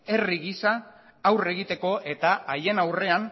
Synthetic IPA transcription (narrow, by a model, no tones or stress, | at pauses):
e̞riɣisaː | wre̞ɣit̪e̞ko̞ʔe̞t̪aaje̞nawre̞an